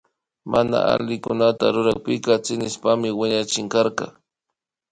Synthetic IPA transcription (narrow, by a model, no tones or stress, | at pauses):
mʔana̰a̰lɪkʊnat̪a̰ɾʊɾaχ̚pɪkɑt͡sɪnɪspamɪwɪɲat͡ʃɪŋkaɾkɑ̰